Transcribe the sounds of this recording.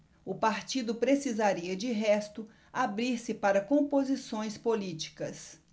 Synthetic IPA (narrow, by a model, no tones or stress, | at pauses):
ʊpaɾt͡ʃid̪ʊpɾesizaɾiɐd͡ʒɪɦɛst̪ʊ | abɾiɾsɪpaɾɐkõmpozisõj̃spolit͡ʃi̥kɐs